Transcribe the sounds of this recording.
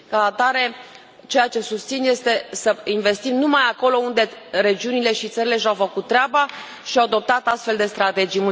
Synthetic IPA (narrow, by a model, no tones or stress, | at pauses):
kaat̪aɾe̞ | t͡ʃe̞jat͡ʃe̞sust̪sinje̞st̪e̞səinve̞st̪imnumajako̞lo̞und̪e̞ɾe̞d͡ʒiunile̞ʃit̪səɾile̞ʃ̬awfəkut̪̚ːɾeaba | ʃiawad̪o̞p̚t̪at̪ast̪fe̞ld̪e̞st̪ɾat̪e̞d͡ʒijmu